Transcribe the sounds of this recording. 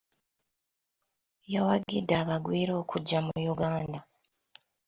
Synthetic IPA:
jawaɡidaːβaɡwiːɾo̞ːkʰuɟːamujuɡaːnda

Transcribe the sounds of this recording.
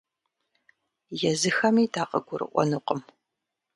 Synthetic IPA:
jɛzɨxɐmiːdaːqʼɐɡʷʊrɨ̰ʔʷɔ̰nɨqəm

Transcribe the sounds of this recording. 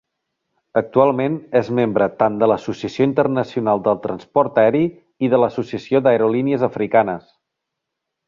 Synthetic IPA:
ək̚t̪ualˠmenɛzmembɾət̪and̪ələsusiəsioint̪ərnəsiunalˠd̪əlˠt̪ɾənspɔɾt̪əɛɾi | iðələsusiəsiod̪əəɾoliniəzəfɾikanəs

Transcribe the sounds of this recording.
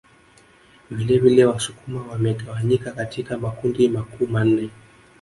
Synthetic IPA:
vilɛvilɛwasukumawamɛtawaɲikakatʰikamakundimakuman̩nɛ

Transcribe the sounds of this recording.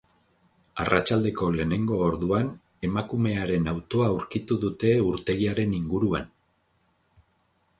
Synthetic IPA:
a̰rat͡ʃald̪e̞ko̞le̞ne̞ŋɡo̞ːɾðuan | e̞makume̞aɾe̞nawt̪o̞auɾkit̪uðut̪e̞uɾt̪e̞ɣiaɾe̞niŋɡuɾua̰n

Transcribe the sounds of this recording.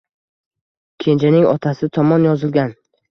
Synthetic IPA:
kʲʰe̞nd͡ʒanɪŋɒ̰t̪ʰasɪt̪ʰɒmɒnjɒzɪlɡʲan

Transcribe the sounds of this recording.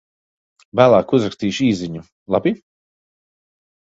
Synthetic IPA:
væːlˠaːkuzɾakst̪iːʃiːziɲu | lˠabi

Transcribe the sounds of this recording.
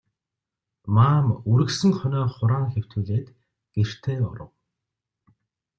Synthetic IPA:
maːmuɾɘ̆ksɘ̆ŋχœnœːχʊɾaːŋxew̥t̪uːɮeːt̪ | ɡ̥er̥t̪ʰeːʊ̰ɾə̆w

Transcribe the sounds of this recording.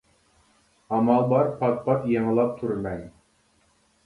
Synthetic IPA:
ɑmɑlˠbɑɾpɑt̪̚pɑt̪jɑɴ̆lˠɑp̚t̪ʰuɾmæj

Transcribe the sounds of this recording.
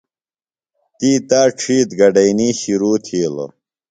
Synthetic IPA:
t̪iːt̪aːʈ͡ʂʰiːt̪ɡɐɖɐjniːɕiɾuːt̪ʰiːlo̰

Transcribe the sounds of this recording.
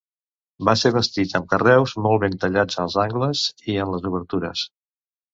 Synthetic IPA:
baseβ̞əst̪it̪əmkərɛwzmɔlˠβent̪əʎad͡zəlˠzaŋɡləziənləzuβəɾt̪uɾə̰s

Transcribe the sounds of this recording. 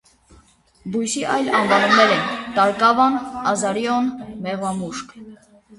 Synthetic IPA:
bujsiʔɑjlɑnvɑnumnɛɾɛnt̪ɑɾkɑvɑnɑzɑɾjɔnmɛʁɑmuʃk

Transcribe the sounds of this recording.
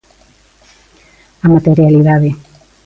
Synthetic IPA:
amat̪eɾjaliðaðe

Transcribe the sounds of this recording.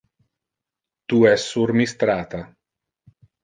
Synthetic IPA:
t̪uɛsːuɾmist̪ɾaːt̪a

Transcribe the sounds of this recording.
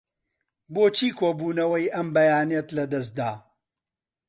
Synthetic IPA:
boːt͡ʃʰiːkʰoːbuːnɐwɐjʔɐmbɐjaːnijɛt̪lɐd̪ɐs̬̚d̪aː

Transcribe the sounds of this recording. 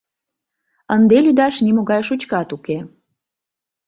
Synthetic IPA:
ənd̪elyd̪ɑʃnimoɣɑjʃut͡ɕkɑt̪uke

